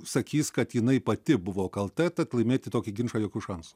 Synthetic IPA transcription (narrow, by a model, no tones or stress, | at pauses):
sɐkʲiːskɐt̪jɪnɐɪpɐt̪ʲɪbʊʋoːkɐlˠt̪ʲɛt̪ɐt̪lˠɐɪmʲeːt̪ʲɪt̪oːkʲɪɡʲɪnʃɐːjoːkʲuʃɐnsʊ̥